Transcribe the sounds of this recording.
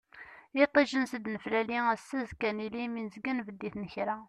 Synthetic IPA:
it̪ˤːiʒənsəd̪nəflæliæsːæzkæniliminzɡənvəd̪ːiθnəçɾæ

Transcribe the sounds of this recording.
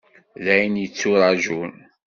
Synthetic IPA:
ðæjnjət͡sːuɾˤɑʒun

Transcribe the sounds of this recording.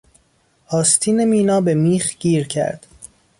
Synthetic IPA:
hɒːst̪ʰiːnemiːnɒːbe̞miːxɟ̥iːɾcʰæ̰ɾd̪̥

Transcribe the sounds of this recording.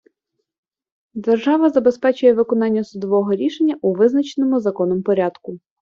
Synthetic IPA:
d̪erʒɑʋɐzɐbespɛt͡ʃʊjɛʋɪkɔn̪ɑnʲːɐsʊd̪ɔʋɔɦɔɾʲiʃenʲːɐʔuʋɪznɐt͡ʃenɔmʊzɐkɔnɔmpɔɾʲɑd̪kʊ

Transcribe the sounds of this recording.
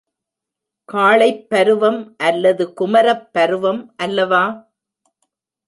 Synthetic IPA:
kaːɭɐɪpːɐɾɯʋɐmʔɐlːɐðɯkʊmɐɾɐpːɐɾɯʋɐmʔɐlːɐʋaː

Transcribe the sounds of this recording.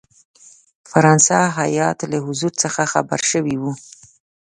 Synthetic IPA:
faɾɑnsaɦajɑt̪laɦʊzuɾt͡səxaxa̰ba̰ɾʃəwiwu

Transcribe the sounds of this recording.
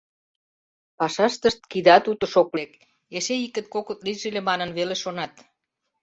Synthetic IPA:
pɑʃɑʃt̪əʃt̪̚kid̪ɑt̪ut̪ə̆ʃoklek | eʃeikə̆t̪̚kokət̪liʒĕlemɑnənβeleʃonɑt̪

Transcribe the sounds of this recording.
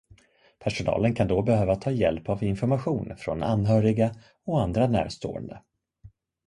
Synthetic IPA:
pʰæʂʊnɑ̰ːlənkʰand̪ɔbɛhøːvat̪ʰɑːjɛlpavɪnfɔɾmaɧuːnfɾɔ̰na̰nɦœːɾɪɡa | ɔand̪ɾanæ̰ːɾst̪o̰ːə̰nd̪ə

